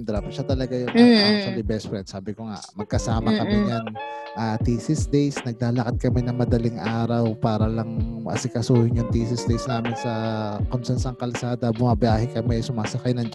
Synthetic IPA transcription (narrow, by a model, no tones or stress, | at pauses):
md̪ɾapʃat̪ɐlɐɡajʊŋʃɐlɪbɛspɾɛn̚saːbɪkoŋa̰ʔmɐɡ̚kɐsaːmɐkɐmɪɲanʔaːt̪iːsɪsd̪ejsnɐɡ̚laːlɐkɐt̪̚kɐmɪnɐŋmɐd̪ɐlɪŋʔaːɾɐwpaːɾɐlɐŋɐ̰sɪkɐsuːhɪɲjʊŋt̪iːsɪsd̪ɛjsnaːmɪnsɐkʊnsansɐŋkɐlsaːd̪ɐbʊmɐbjaːɦɛkɐmɪsʊmaːsɐkajnɐŋd͡ʒ